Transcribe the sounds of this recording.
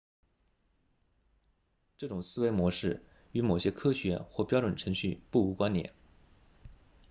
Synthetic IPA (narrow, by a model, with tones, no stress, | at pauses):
ʈ͡ʂɤ˥˩ʈ͡ʂʊ˨˩ŋsɹ̩˥we˥ɪmwɔ˧˥ʂɻ̩˥˩ | y˧˥mo˨˩ʊɕjɛ˥kʰɤ˥ɕɥɛ˧˥xwɔ˥˩pjɑ˥ʊʈ͡ʂwə˨˩nʈ͡ʂʰɤ˧˥ŋɕy˥˧pu˥˩u˧˥kwa˥njɛ̰˨˩˦n